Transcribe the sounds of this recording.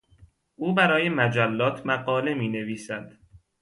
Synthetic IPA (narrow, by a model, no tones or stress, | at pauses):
ʔuːbæɾɒːje̞mæd͡ʒælːɒːt̪ʰmæɢɒːle̞miːne̞viːsæd̪̥